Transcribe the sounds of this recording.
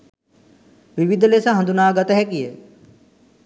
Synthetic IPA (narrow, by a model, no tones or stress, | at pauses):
ʋiʋid̪ʱleːsãɦə̃ɐnd̪unaːɡət̪ɦɛkieː